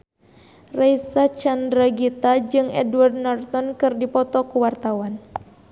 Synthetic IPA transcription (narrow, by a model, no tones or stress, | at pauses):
rajsat͡ʃandɾaɡit̪ad͡ʒɨŋɛ̰duard̚nɔrt̪ɔnkɨrdipɔt̪ɔkuwart̪awan